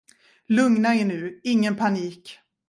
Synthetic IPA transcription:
lɵŋnaɛɳʉ̟ːɪŋːənpʰaniːk

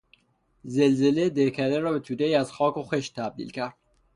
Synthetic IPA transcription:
zelzeled̪eɾkʰæd̪eɾɒːbet̪ʰuːd̪eiːæz̥xɒːkʰoxeʃt̪ʰæb̚d̪ḭːlcʰæɾd̪̥

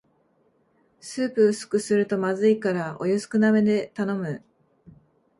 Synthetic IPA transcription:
sɨːpɯ̟ɯ̟sɨ̥kɯ̟sɨɾɯ̟t̪o̞mazɨikaɾaʔo̞̰josɨ̥kɯ̟name̞d̪e̞t̪ano̞mɯ̟

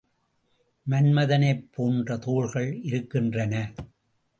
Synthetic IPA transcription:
mɐnmɐðɐnɐɪpʰːoːndrɐt̪uːɻɣɐɭɪɾɯkːɪndrɐnɐ

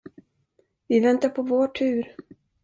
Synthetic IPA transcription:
vɪvɛnt̪apʰɔvoːʈʰʉ̟ːɾ

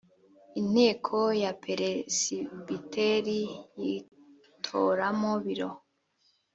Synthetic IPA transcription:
in̥heːkʰojapʰeɾesibiteɾiji | tʰo̰ɾamoβiɾo

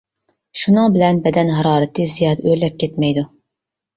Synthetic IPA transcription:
ʃunɨŋbɪlɛnbɛd̪ɛnɦɑɾɑːɾɨt̪ʰɨzijɑːd̪ɛʔøɾlɛp̚kʲɛt̪mɛjd̪u

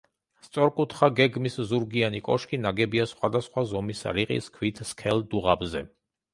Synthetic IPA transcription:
st̪sʼɔɾkʼut̪ʰχaɡɛɡmiszuɾɡianikʼɔʃkʼinaɡɛbiasχwad̪asχwazɔmisa̰ɾiqʼḭskʰwit̪ʰskʰɛld̪uʁabzɛ

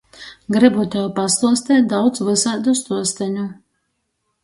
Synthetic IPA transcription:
ɡɾɨbut̪ʲɛwpaslˠuɔst̪ʲɛːt̪̚d̪awd̪svɨsad̪ust̪uɔst̪ɛɲʲu

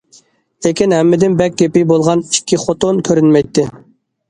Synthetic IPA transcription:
lekʲinɦɛmːɪd̪ɪnbɛk̚ʲɡʲepɪbolˠʁɑnikʲʰːiχot̪onkʲʰøɾynmɛjt̪ʰːɪ

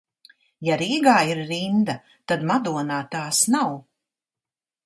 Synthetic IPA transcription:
jaɾiːɡaːiɾːind̪a | t̪ad̪mad̪uɔnaːt̪aːsnaw

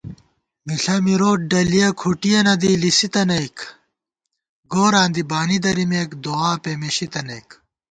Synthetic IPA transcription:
miɬɐmiɾoːʈ̚ɖɐlijɐkʰuʈijɐnɐd̪ilisit̪ɐnɐjk | ɡoːɾãːnd̪ibaːnid̪ɐɾimeːkd̪oaːpemeɕit̪ɐnɐjk

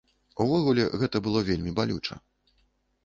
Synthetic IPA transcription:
uvɔɣulʲɛɣɛt̪ɐbɨlˠɔvʲelʲmʲibalʲut͡ʂɐ̰

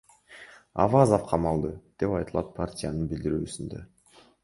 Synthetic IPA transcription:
a̰vazofqʰɑmɑlˠd̪ɯd̪̥e̞pɑjt̪ɯlˠɑt̪̚pʰartʲɪjanɯnbild̪iɾyːsynd̪ø̰

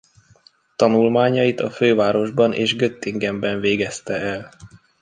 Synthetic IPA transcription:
t̪ɒnulmaːɲɒjit̪ɒføːvaːɾo̞ʒbɒnʔḛːʒɡøt̪ːiŋɡɛmbɛɱveːɡɛst̪ɛɛl

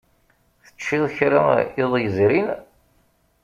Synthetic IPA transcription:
θə̥t͡ʃːiðˤçɾəɪðˤjəzɾin

